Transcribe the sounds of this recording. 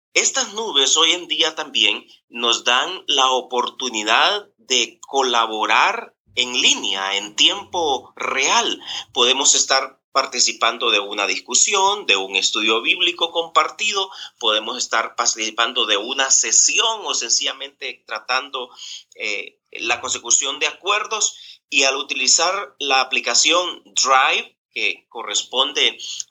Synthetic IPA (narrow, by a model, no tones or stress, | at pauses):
e̞st̪aznuβe̞so̞je̞nd̪iat̪ambje̞ŋ | no̞zd̪aŋlaopo̞ɾt̪uniðað | ðe̞ko̞laβo̞ɾaɾ | e̞ŋlinja̰e̞nt̪je̞mpo̞re̞alpo̞ðe̞mo̞se̞st̪aɾ | paɾt̪isipand̪o̞ðe̞unaðiskusjo̞nd̪e̞uŋe̞st̪uðjo̞βiβliko̞ko̞mpaɾt̪ið̞o̞po̞ð̞e̞mo̞se̞st̪aɾpaɾt̪isipand̪o̞ðe̞unase̞sjo̞ŋo̞se̞nsiʝamẽ̞nt̪e̞t̪ɾat̪and̪o̞e | lako̞nse̞kusjo̞nd̪e̞akwe̞ɾðo̞sialut̪ilisaɾlaːplikasjo̞nd̪ɾajβ | ke̞ko̞respo̞nd̪e̞